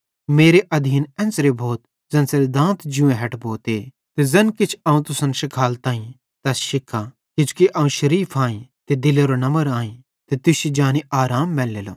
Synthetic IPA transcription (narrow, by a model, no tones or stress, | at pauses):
meːɾeʔɐd̪ʱiːnɛ̃ːnsɾebʱoːt̪ | zɐ̃nsɐɾd̪ãːnt̪ʰd͡ʒʊ̃ẽɦɛʈbʱoːt̪e | t̪ezɐnkɪt͡ʃʰɐːũt̪ʊsɐnʃɪkʰaːlt̪aːĩ | t̪ɐsʃɪkʰːa | kɪt͡ʃʊ̥keʔɐũʃɐɾiːpʰaːĩt̪ed̪ɪleɾonɐməɾaːĩ | t̪et̪ʊsid͡ʒaːniaːɾaːmːɛːlːeːlo̰ː